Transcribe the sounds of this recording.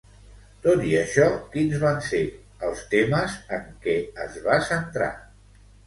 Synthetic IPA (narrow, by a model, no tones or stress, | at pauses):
t̪ot̪iəʃɔkinzβanse | əlˠst̪eməzəŋkɛəzβasənt̪ɾa̰